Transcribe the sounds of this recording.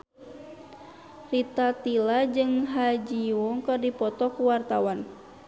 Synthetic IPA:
rit̪at̪ilad͡ʒɨŋɦad͡ʒiwɔŋkɨrdipɔt̪ɔkuwart̪awan

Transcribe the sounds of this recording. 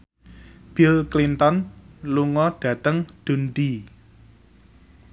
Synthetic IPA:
b̥ilklint̪ɔnluŋɔɖ̥ä̤t̪əŋɖ̪̥ṳnɖi

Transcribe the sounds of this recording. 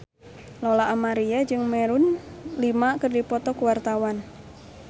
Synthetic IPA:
lɔlaʔːmaɾiad͡ʒɨŋmɛɾunlimakɨrdipɔt̪ɔkuwart̪awan

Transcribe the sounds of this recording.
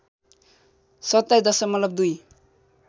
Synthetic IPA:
sʌt̪ːajd̪ʌsʌkmʌt̪lʌb̚d̪uj

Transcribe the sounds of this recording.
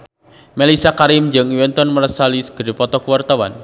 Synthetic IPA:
melisakaɾɪmd͡ʒɨŋiwɛnt̪ɔnməɾəsalisə̥ɡ̥əɾipɔt̪ɔkuwart̪awan

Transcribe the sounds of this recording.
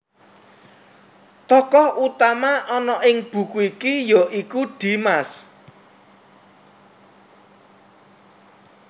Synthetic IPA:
t̪ɔkɔhut̪amaʔɔnɔʔɪŋb̥ṳkuikijɔʔikuɖ̪̥i̤mas

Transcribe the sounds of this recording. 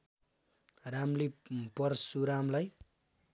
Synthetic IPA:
ramlipʌrsuɾamlaj

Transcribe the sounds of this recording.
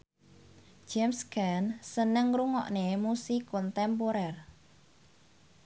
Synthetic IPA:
d͡ʒ̥ɛmskansənəŋruŋɔ̰ʔnemusikʊnt̪ɛmpoɾɛr

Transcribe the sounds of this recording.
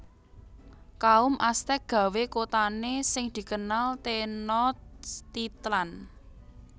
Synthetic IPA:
kaʊmʔast̪ɛk̚ɡ̥ä̤wekot̪anesɪŋd̪̥i̤kənalt̪enɔt̪t̪it̪lan

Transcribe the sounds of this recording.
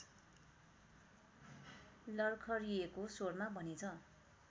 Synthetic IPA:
lʌrkʰʌɾiekosormabʱʌnet͡sʰʌ

